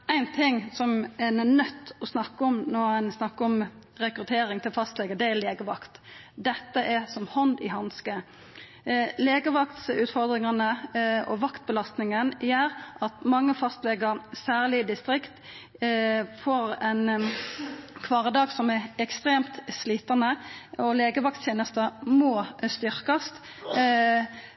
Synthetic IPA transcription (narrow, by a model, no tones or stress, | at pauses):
æɪnt̪ʰɪŋːsɔmɛnnœt̪ːɔsnɑkːəɔmnoːæɪnsnɑkːəɔm | ɾɛkɾʉt̪ʰeːɾɪŋt̪ʰɪlfɑst̪lɛɡəd̪ɛæleːɡəʋɑ̰kt̪ | d̪ɛt̪ːəʔɛsɔmhɔnd̪ɪhɑnskə | leːɡəʋɑkt̪sʉːt̪fɔʁd̪ɾɪŋɑnəɔʋɑkt̪̚bəlɑst̪nɪŋənjæːɾʔɑt̪mɑŋːəfɑst̪lɛɡəɾsæːʁlɪd̪ɪst̪ɾɪkt̪ | fɔɾɛn | kʰʋɑːʁəd̪ɑːɡsɔmɛɛkst̪ʁeːmt̪sliːt̪ɑnəɔleːɡəʋɑkt̪tʰeːnəst̪əmoːst̪ʏʁkɑst̪